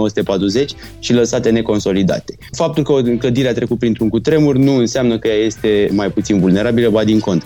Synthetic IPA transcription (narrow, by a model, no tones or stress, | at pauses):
owəsut̪e̞pat̪ɾuze̞t͡ʃʲ | ʃiləsat̪e̞ne̞ko̞nso̞lid̪a̰t̪e̞̥fap̚t̪ulkəkləd̪iɾeat̪ɾe̞kut̪̚pɾint̪ɾuŋkut̪ɾe̞murnuɨnseamnəkəjaje̞st̪e̞majput̪sinvulne̞ɾabiləbad̪iŋko̞nt̪ɾə